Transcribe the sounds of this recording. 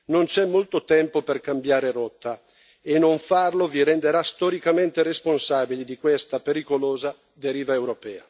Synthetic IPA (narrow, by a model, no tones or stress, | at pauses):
nont͡ʃɛmːolt̪ot̪ɛmpoperkambjaːɾeɾɔt̪ːa | enːoɱfarloviɾɛnd̪eɾast̪ɔɾikament̪eresponsaːbilid̪ikwest̪apeɾikoloːza | d̪eɾiːvaewɾopɛːa